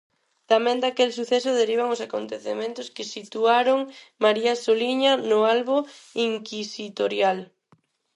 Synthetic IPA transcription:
t̪amɛ̃nd̪akelsuθɛsʊðeɾiβ̞aŋʊsakont̪eθḛmẽnt̪ʊskɪsit̪uaɾʊŋmaɾiasoliɲɐnʊalβʊiŋkisit̪oɾjal

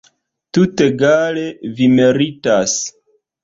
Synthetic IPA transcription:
tute̞ɡalevimeɾitas

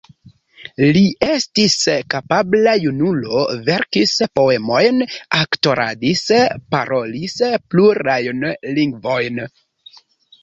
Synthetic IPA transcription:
liʔestiskapablajunulo̞ve̞ɾkispo̞e̞mo̞jnakto̞ɾʔa̰dispa̰ɾo̞lispluɾajnliŋɡvo̞jn

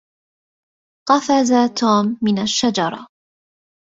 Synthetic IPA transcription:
qɑfazat̪ʰoːmːɪnaʃːad͡ʒɑɾˤɑ̰

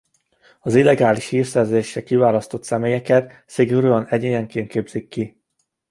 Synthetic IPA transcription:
ɒzilːɛɡaːliʃhiːrsɛrzeːʃːɛkivaːlɒst̪o̞t̪sɛmeːjɛkɛt̪ | siɡoɾøːɒnɛɟeːjɛŋkeːnt̪keːbz̥ikːi

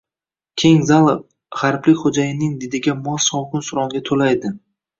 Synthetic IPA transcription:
kʲʰe̞ŋzalˠɪ | ʁaɾplɪkʲχod͡ʒajɪnɪŋd̪ɪd̪ɪɡʲamɒssɒwkʊnsʊɾɒŋɡʲat̪ʰolajd̪ɪ

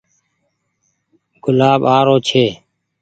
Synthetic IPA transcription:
ɡ̥ʊlaːbaːɾoːt͡ʃʰeː

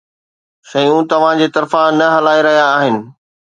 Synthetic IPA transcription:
sɐjũt̪ɐʋ̤ãd͡ʑeːt̪ɐɾfãnɐɦɐlaːeɾɐɦijaːɦɪnɪ̆

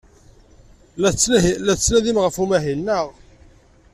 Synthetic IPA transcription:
læt͡sːnæðimʁəfumæɦinːəʁ

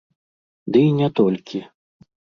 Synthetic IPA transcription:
d̪ɨinʲɛt̪ɔlʲkʲi

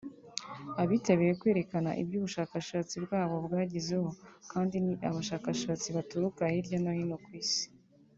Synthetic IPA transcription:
aβiteβejekwe̞ːɾe̞kana̰ʔḭbjuːβuʃaːkaʃaːt͡sibɡaːβo̞bɡaːɟize̞ho̞kaːndiniʔaβaʃaːkaʃaːt͡siβatuɾukahiɾɟonohinokwiːsi̥

